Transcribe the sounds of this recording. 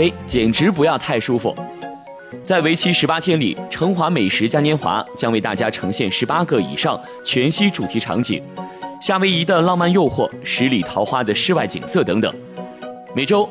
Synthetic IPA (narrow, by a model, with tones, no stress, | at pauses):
e˥ɪt͡ɕjɛ˨˩nʈ͡ʂɻ̩˧˥p̬u˧˥jɑ˥˧ʊt̪ʰa˥˩ɪʂu˥fṵ˨˩ | t͡sa˥˩ɪwe˧˥ɪt͡ɕʰi˥ʂɻ̩˧˥pa˥t̪ʰjɛ˥nlḭ˨˩ʈ͡ʂʰɤ˧˥ŋxwa˧˥me˨˩ɪʂɻ̩˧˥t͡ɕja˥njɛ˥nxwa̰˧˥t͡ɕjɑ˥ŋwe˥˧ɪt̪a˥˩t͡ɕja˥ʈ͡ʂʰɤ˧˥ŋɕjɛ˥˩nʂɻ̩˧˥pa˥kɤ˥˧˩ḭ˨˩ʂɑ˥˩ŋ | t͡ɕʰɥɛ˧˥nɕi˥ʈ͡ʂu˨˩t̪ʰi˧˥ʈ͡ʂʰɑ̰˧˥ŋt͡ɕḭ˨˩˦ŋɕja˥˩we˥ɪi˧˥t̪ə˥˧lɑ˥˧ŋma˥˧njo˥˧ʊxwɔ˥˩ʂɻ̩˧˥li˨˩t̪ʰɑ˧˥ʊxwa˥d̪ə˨ʂɻ̩˥˧wa˥˩ɪt͡ɕḭ˨˩ŋsɤ˥˩t̪ɤ˧˥ŋt̪ɤ̰˨˩˦ŋ | me˨˩ɪʈ͡ʂo˥ʊ